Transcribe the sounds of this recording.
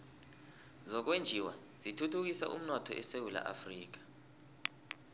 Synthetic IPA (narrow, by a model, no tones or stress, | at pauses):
zɔk̬wend͡ʒʱiwa̰ | z̥itʰutʰuk̬isa̰ʔṵm̩nɔtʰɔ̰ʔɛsewula̰ʔa̰friːk̬ḁ